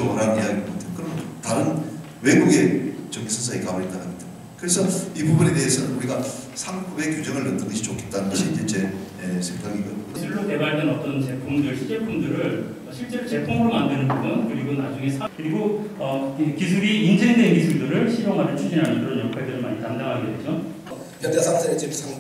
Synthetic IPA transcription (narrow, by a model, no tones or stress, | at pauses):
ʌʌɾamiɦaɡʌmotʰekɯɾʌmtaɾɯn | we̞ɡuɡe̞t͡ɕʌɡisʰʌnsʰaikaboit͈aɦamida | kɯɾe̞sʰʌibubune̞te̞ɦesʰʌnɯnuɾiɡa | sʰampubekjud͡ʑʌŋɯɭːɯndɯɡʌɕʰi̥t͡ɕokʰe̞t̚t͈anɯnɡʌɕʰid͡ʑet͡ɕe | esʰeŋɡaŋiɡʌisʰuɭːote̞baɭdenʌt͈ʌnt͡ɕe̞pʰuŋdɯɭɕʰid͡ʑeɭpʰuŋdɯɾɯɭ | ʌɕʰiɭt͡ɕ͈e̞ɾot͡ɕe̞pʰuŋɯɾomandwe̞nɯnbubunkɯɾiɡonad͡ʑuŋe̞sʰakɯɾiɡoʌkisʰuɾiːnd͡ʑeŋdeŋɡisʰuɭdɯɾɯɭɕʰiɾoŋɦadet͡ɕʰud͡ʑinɦanɯnkɯɾʌnjʌkʰwedɯɾɯɭmaɲikandaŋɦaɡedwed͡ʑo | ʌ | ʌd͡ʑesʰasʰaet͡ɕesʰ